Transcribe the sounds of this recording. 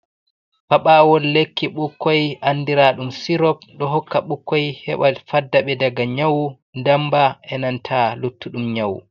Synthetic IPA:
paɓawɔlːekʰːiɓukʰːɔjʔanːdiɾaɗumsiɾɔp̚ɗɔɦɔkːaɓukːɔjhɛ̰ɓafadːaɓɛdaɡaɲawu | ndambaʔɛnantʰalutːuɗumɲawṵ

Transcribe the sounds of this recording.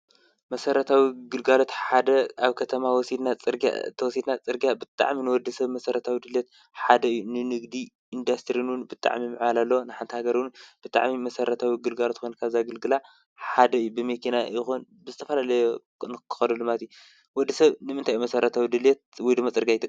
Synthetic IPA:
mɐsɐɾɐt̪ʰawiɡɨlɡalot̪ħad̪ɐaβkʰɐt̪ʰɐmawɔsid̪nat͡sʼɨɾɡa̰t̪ʰɐwɔsid̪nat͡sʼɨɾɡiabɨt̪ʼa̰ʕminɨwɔd̪ːisɐβmɐsɐɾɐt̪ʰawid̪ɨljet̪̚ | ħad̪ɐɨjːunɨnɨɡd̪i | ind̪ast̪ɾinwunbɨt̪ʼa̰ʕmimɨʕalalːonɨħant̪ʰɐhaɡɐɾɨwunb̥ɨt̪ʼa̰ʕmimɐsɐɾɐt̪ʰawiɡɨlɡalot̪kʰonkʰaβzaɡɨlɡɨla | ħad̪ɐɨjːubɨmekʰinajɪxunbɨzɨt̪ʰɐfɐlalɐjo | nɨkʰɨ̥xɐlɐlːɨmat̪ju | wɔd̪ːisɐβnɨmɨnt̪ʰajmɐsɐɾɐt̪ʰawid̪ɨlet̪̚wɔjd̪ɨmːot͡sʼɨɾɡiajɪt̪ʰɨ

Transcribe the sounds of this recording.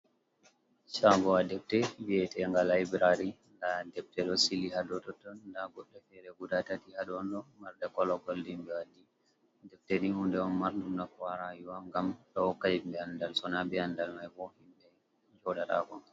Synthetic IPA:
t͡ʃaɡɔadɛp̚tɛwiɛtɛŋɡalaibɾaɾi | ndadɛp̚tɛɗɔsilihadɔtɔtɔndaɡɔɗːɛfɛɾɛɡudatatihaɗɔnɗɔmaɾdɛkɔlɔkɔldimbɛwadi | dɛp̚tenihundɛɔnmaɾdundakwaɾajuwaŋɡamɗɔkːad͡ʒimbɛandalsɔnabɛandalmajbɔhimɗɛ | d͡ʒɔɗata̰kɔ

